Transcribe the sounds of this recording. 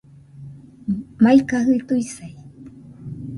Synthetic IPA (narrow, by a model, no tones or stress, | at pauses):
majkaɦɨt̪uisaj